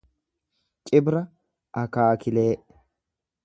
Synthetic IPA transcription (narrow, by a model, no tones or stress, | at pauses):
kʼɪbɾɐ | ʔɐkaːkɪleːʔ